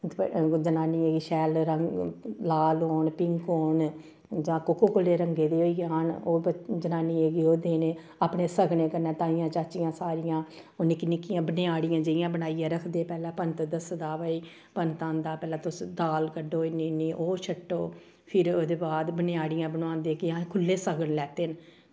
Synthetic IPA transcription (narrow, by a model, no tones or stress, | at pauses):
d͡ʒənaːniːeːɡiːʃɛːlɾəŋlaːloːɳpɪŋkoːn | d͡ʒãːkʊkoːkʊleːɾəŋɡeːd̪eːoːiːaːnoːd͡ʒənaːniːeːɡiːoːd̪eːneː | aːpɳeːsəɡneːkəɾnɛ̃ːt̪aːijãːt͡ʃaːt͡ʃɪjãːsaːɾɪjãː | onɪknɪkːijãːbənɪjaːɽɪjãːd͡ʒəijãːbənaːijãːɾəkʰd̪eːpɛːlɛ̃ːpənt̪d̪əsd̪aːʋəːiː | pənt̪ãːnd̪aːpɛːlãːt̪ʊsd̪aːlkəɖoːiniːniːʔoːt͡ʃʰəʈːoː | pʰɪɾoːd̪eːbaːd̪bənɪaːɽɪjãːbənãːnd̪eːkãːkʰʊlːeːsəɡəɳlɛːt̪eːn